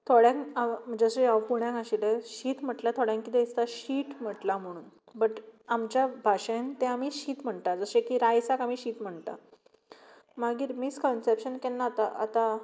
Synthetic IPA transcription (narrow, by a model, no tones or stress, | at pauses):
t̪ʰoɽjãŋkam̤əd͡ʑəseaʋpuɳjãŋkaɕit̪eɕiːt̪m̤əʈlat̪ʰoɽjãŋkːit̪̬et͡st̪aɕiːʈm̤əʈlam̤əɽ̃uːn | bəʈamt͡ɕjabʱaɕẽnt̪ẽam̤iːɕiːt̪m̤əɳt̪ad͡zəɕẽkiːɾajsakam̤iːɕiːt̪m̤əɳt̪a̰ | maɡiːɾmiskənsepɕənkɛnːat̪aʔa̰t̪a